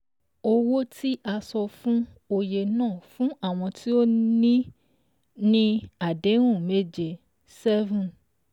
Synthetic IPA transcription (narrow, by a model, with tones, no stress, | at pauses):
o˧wo˦tʰi˦ʔa˧sɔ˧fũ˦ | o˨je˨nãː˦˨fũ˦a˦˨w̃ɔ̃˧tʰi˦o˦nĩ˦ | nĩ˦a˨de˨˦ɾ̃ũ˦˨me˦d͡ʒe˨ | sɛ˦vũ˨